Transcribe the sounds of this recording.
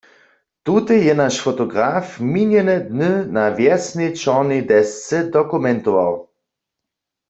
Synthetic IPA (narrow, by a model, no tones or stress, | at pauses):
t̪ut̪ɛjɛnaʃfɔt̪ɔɡʁaːfmiɲɛnɛd̪nənavjɛsnet͡ʃɔʁnid̪ɛst͡sɛd̪ɔkumɛnt̪ɔʋa̰w